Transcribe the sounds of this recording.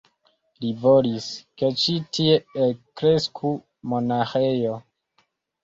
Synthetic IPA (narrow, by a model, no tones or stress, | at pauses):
livoliske̞t͡ʃitieekɾe̞skʰu | monaxejo̞